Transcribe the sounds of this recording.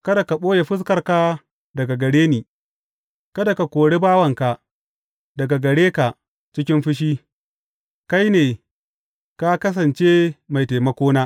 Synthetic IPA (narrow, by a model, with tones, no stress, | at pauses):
kɐ˦da˨ka˨ɓoː˦je˨ɸɪ˦s̬kɐ˨rka˦ | dɐ˨ɡa˨ɡɐ˨ɽeː˦niː˨ | kɐ˦da˨ka˨kʷoː˨ɽe˦baː˦wɐ˨ŋka˨ | dɐ˨ɡa˨ɡɐ˨ɽeː˦ka˨ʔ | t͡ʃɪ˦kʲɪ˦mɸɪ˦ʃ̬iː˦ | ka˦jneː˨ | ka˦kɐ˦s̬ɐ˨nt͡ʃe˦ma˨jteː˨mɐ˦kʷoː˦naː˦